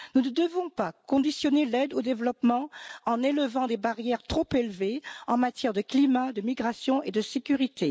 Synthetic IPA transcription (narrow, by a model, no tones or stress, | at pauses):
nunəd̪əvɔ̃pakɔ̃d̪isjɔnelɛd̪od̪evlɔpmɑ̃ɑ̃neləvɑ̃d̪ebaʁjɛʁt̪χɔpelveɑ̃mat̪jɛʁd̪əklimad̪əmiɡʁasjɔ̃ed̪əsekʲyʁit̪ʰe